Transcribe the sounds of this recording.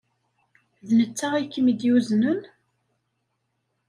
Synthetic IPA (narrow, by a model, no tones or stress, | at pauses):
ðnət͡sːaʁikːəmid̪juznən